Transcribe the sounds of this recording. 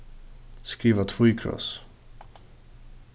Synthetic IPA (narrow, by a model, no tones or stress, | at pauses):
skɾiːvat̪ʰvujkʰɾɔ̰s